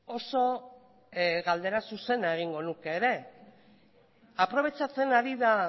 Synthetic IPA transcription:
o̞so̞ | ɣald̪e̞ɾasuse̞naeɣ̞iŋɡo̞nuke̞ːɾe̞ | apɾo̞β̞e̞t͡sat͡se̞naɾiða

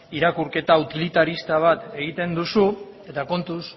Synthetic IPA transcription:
iɾakuɾke̞t̪aut̪ilit̪aɾist̪aβ̞at̪e̞ɣ̞it̪e̞nd̪usu | e̞t̪ako̞nt̪us

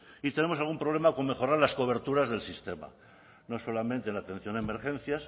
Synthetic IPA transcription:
it̪e̞nemos̬alɣumpɾoβle̞mako̞ŋme̞xo̞ɾaɾlasko̞β̞e̞ɾt̪uɾazðe̞lsist̪e̞ma̰ | no̞so̞lamẽnt̪enlat̪e̞n̟θjo̞neme̞ɾxẽ̞n̟θjas

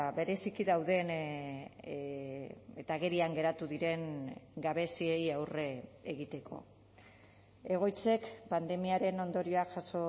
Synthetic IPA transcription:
βe̞ɾe̞sikiðawðe̞n | et̪aːɣe̞ɾiaŋɡe̞ɾat̪uðiɾe̞ŋɡaβe̞siejawre̞eɣit̪e̞kʰo̞̰ | e̞ɣ̞o̞jt͡se̞kpand̪e̞miaɾe̞no̞nd̪o̞ɾio̞aʝaso̞

